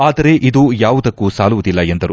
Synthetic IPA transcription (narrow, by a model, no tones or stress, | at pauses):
aːd̪ɐɾe̞ʔid̪ujaːʋud̪ɐkːuːsaːluʋud̪ilːɐend̪ɐɾu